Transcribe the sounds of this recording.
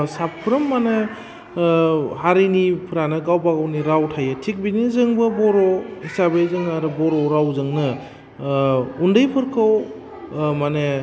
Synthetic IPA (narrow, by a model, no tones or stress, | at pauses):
sapʰɾɯmːane | haɾinipʰɯɾanɯɡawbaɡawniɾawtʰajɯtʰik̚binizɯŋbɯbɔɾoisabezɯŋaɾɯbɔɾɔɾawzɯŋnɯ | undɯjpʰɯɾkʰɯw | mane